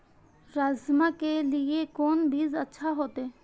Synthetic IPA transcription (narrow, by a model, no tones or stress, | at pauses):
ɾaːzmakeliekoːnbʱiːzətːʃʰaɦoːt̪eː